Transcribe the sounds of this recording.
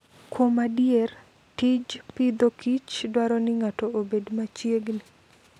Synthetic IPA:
kwomadjɛr | tid͡ʒpid̪okit͡ʃdwaɾɔnɪŋatɔobedmat͡ʃjeɡnɪ

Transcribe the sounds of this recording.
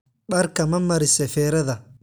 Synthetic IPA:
ɓɐɾkɐmɐmːɐɾɪsɛfɛːɾɐðɐ

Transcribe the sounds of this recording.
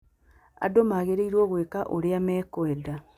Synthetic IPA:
a̰domaɣeɾeiɾwɔɣwekaʔoɾeamɛkwɛda

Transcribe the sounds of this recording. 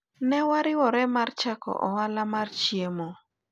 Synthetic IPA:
nɛwaɾɪwɔɾɛmart͡ʃakɔ̰ʔɔ̰walamart͡ʃjemɔ

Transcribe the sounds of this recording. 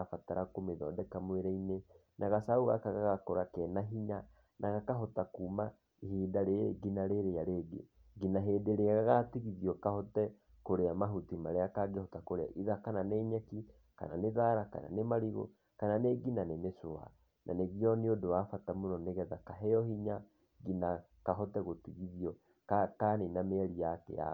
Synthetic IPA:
afataɾakomeðɔ̰dɛkamweɾɛine | nʔaɣasauɣa̰kaɣaɣakoɾakɛnaɦiɲa | nʔaɣakaɦɔtakuːma | ihiːdaɾeeɡinaɾeɾejaɾeɡḛ | ɡinaɦedeɾeaɣaɣatiɣiðiɔkahɔtɛ | koɾeamaɦutimaɾeakaɡehɔtakoɾea̰ʔiðakananɛɲɛki | ka̰naneðaɾaka̰na̰nemaɾiɣo̰ | kananeɡinanenesoa̰ | nʔa̰neβjɔneodowafatamonɔneɣɛðakaɦɛjɔhiɲa | ɡina | kaɦɔtɛɣotiɣiðiɔ | kakanenameɛɾijakɛ̰ja̰

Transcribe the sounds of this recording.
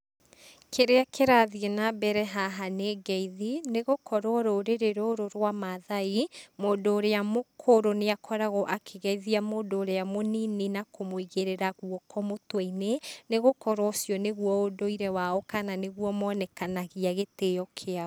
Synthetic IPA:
kʰeɾeakʰeɾaðienabɛɾɛɦaɦaneɡɛiðineɣokʰɔɾwɔɾoɾeɾeɾoɾoɾwamaðaimoːndoːɾeamokʰoɾoneakʰɔɾaɣɔʔakʰeɣɛiðiamoːndoːɾeamonininakomoiɣeɾeɾaɣuɔkʰɔmotweineneɣokɔɾwɔsjɔneɣuwɔodoiɾɛwaɔkananeɣwɔmɔnɛkanaɣiaɣetejɔkʰeaɔ

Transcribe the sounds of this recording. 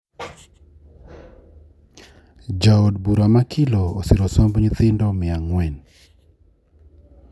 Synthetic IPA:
d͡ʒaodbuɾamakʰɪlɔːsɪɾɔsɔmbɲit̪ɪndɔmɪaŋwɛn

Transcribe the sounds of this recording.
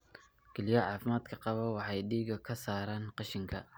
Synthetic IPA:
kʰɛlɪjɐʕɑːfɪmaːd̪kʰɐqɑβɐwɑħɑjɖiːɡɐkʰɐsaːɾaːnqɑʃɪŋkʰɐ

